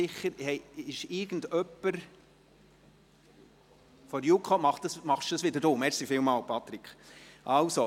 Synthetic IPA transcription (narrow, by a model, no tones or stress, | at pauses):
ɪχːəɾhɛɪɪʃɪɾɡ̥ən̩dœpːəɾ | fɔɾjukʰχɑmɑχt̪əsmɑχʃd̥əsʋɪdəɾdoːmɛɾsifɪːlmɑːlpʰɑt̪ɾikχʔɑlso